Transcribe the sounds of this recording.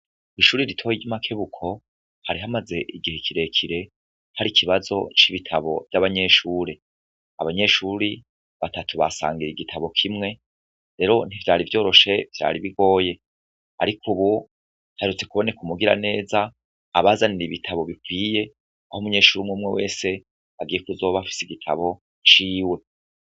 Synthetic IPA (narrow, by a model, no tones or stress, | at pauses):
iʃuːɾiɾitʰo̞jiɟamakʰe̞βukʰo̞ | haɾiɦamaze̞ʔiɡihekʰiɾe̞kʰiɾe̞ | haɾikʰiβazo̞̰t͡ʃiβitʰaβo̞̰vjaβaɲe̞ʃuːɾe | aβaɲe̞ʃuɾi | βatatʰuβa̰sa̰ːŋɡiɾiɡitʰaβo̞kʰimŋe̞ | ɾe̞ːɾo̞n̥ivjaːɾivjo̞ːɾo̞ʃe̞v̥ja̰ːɾiβiɡo̞ːje̞ | a̰ɾikʰuβu | hahɾut͡se̞kuβo̞ne̞kumuɡiɾa̰ne̞ːzaː | βazaniɾiβitʰaβo̞βikwiːje̞ | ahomuɲe̞ːʃuːɾumŋuːmŋewḛːse̞ | βaɡiːjekuzoβafi̥siɡitʰa̰βo̞ | t͡ʃiːwe̞